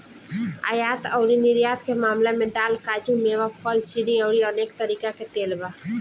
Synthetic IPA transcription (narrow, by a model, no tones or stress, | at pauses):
a̰jaːt̪əʊɾinɪɾjaːt̪kemaːmlemẽd̪aːlkaːd͡ʒũmeʋafʰɔːlt͡ʃiniəʊɾiəneːk̚t̪əɾiːkaket̪eːlba